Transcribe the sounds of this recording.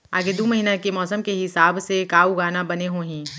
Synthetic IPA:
a̰ːɡed̪oːmɐɦiːnakemɔːsəmkeɦɪsaːbsekaːuɡaːnabɐneɦoːɦɛ̃ː

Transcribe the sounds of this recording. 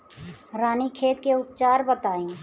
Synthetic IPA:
ɾaːnikʰeːt̪keʊp̚t͡ʃaːɾbət̪aːjũ

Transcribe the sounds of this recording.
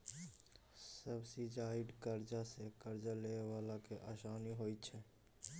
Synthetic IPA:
səbsid͡ʒaiɖkəɾd͡ʒasekəɾd͡ʒalewaːlakeʔasaːniɦojt̪t͡ʃʰɛ

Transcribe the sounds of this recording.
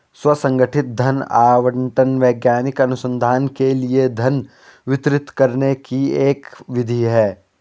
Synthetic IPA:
swɐsɐ̃ŋɡəʈʰɪt̪̚d̪ʱɐna̰ːʋəɳʈənʋɛːɡjaːnɪkɐnʊsə̃nd̪ʱaːnkelied̪ʱɐn | ʋɪt̪ɾɪt̪kɐɾnekieːkʋɪd̪ʱiɦɛː

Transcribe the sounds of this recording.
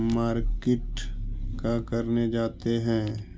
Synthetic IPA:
maːɾkɪʈkakɐɾned͡ʒaːt̪eɦɛ̃ː

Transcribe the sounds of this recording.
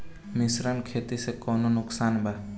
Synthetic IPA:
mɪsɾənkʰeːt̪isekoːnonʊksaːnbʱa

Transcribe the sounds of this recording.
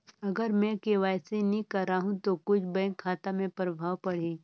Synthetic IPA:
ɐɡəɾmɛ̃keʋaːjsinĩkɐɾaːɦũt̪okʊt͡ʃʰbɛ̃ŋkʰːaːt̪amẽpɾəbʱaːwpɐɽ̤ĩ

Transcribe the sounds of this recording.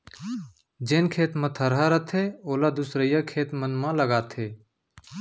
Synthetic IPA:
d͡ʒeːnkʰeːt̪mãt̪ʰəɾɦaːɾət̪ʰeːoːlaːd̪usɾəjakʰeːt̪mənmãːləɡaːt̪ʰeː

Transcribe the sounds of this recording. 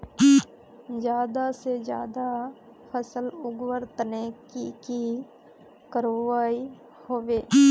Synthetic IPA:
d͡ʒjaːd̪ased͡ʒja̰ːd̪a | pʰəsəlʊɡwəɾt̪nekiki | kəɾoʋaːi | hoːʋeː

